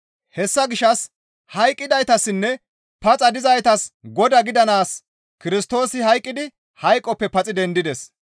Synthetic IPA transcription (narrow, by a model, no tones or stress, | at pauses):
hɛsːɐɡɪʃɐs | hɐjkʼːɪd̪ɐjt̪ɐsːɪnːɛ | pɐt͡sʼɐd̪ɪzɐjt̪ɐsɡɔd̪ɐɡɪd̪ɐnaːs | kɪɾɪst̪o̞ːsɪhɐjkʼːɪd̪ɪ | hɐjkʼːɔpːɛpɐt͡sʼɪd̪ɛnd̪ɪd̪ɛs